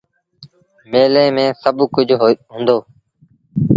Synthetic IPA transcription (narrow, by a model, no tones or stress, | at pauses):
meːlẽːmẽːsəbkʊd͡ʒʱɦɦʊ̃ːnd̪oː